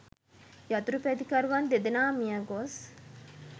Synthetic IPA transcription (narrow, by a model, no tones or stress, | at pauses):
jɐt̪uɾupæd̪ikɐɾuʋand̪ed̪enaːmijaɡos